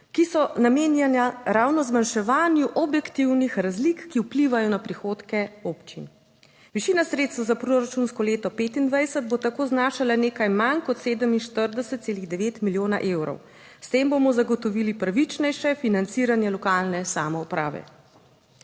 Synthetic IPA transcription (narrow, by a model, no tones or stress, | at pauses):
kisɔnameːnjɛnjaɾaːwnɔzmanʃɛʋaːnjuʔɔbjɛkt̪iwnixɾazlikːiupliʋajɔnapɾixoːt̪kɛoːpt͡ʃin | ʋiʃiːnasɾeːt̪st̪ʋwazapɾoɾat͡ʃunskɔleːt̪ɔpeːt̪ind̪ʋajsəd̪̚bot̪akoːznaːʃalaneːkajmankɔt̪seːd̪əminʃt̪əɾd̪ɛsɛt̪t̪seːliɣd̪ɛʋeːt̪miljoːna̰ʔeːwɾɔ̰w | st̪eːmbomɔzaɡɔt̪ɔʋilipɾaʋit͡ʃnɛjʃɛfinant̪siːɾanjɛlɔkalnɛsamɔupɾa̰ːʋɛ̰